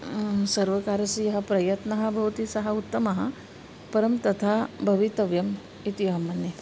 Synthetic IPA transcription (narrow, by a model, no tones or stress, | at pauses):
sɐɾʋɐkaːɾɐsijɐɦɐ̆pɾɐjɐt̪nɐɦɐ̆bʱɐʋɐt̪isɐɦɐut̪ːɐmɐɦɐ̰̆ | pɐɾɐmt̪ɐt̪ʰaːbʱɐʋit̪ɐʋjɐm | it̪iʋaːmːɐnːi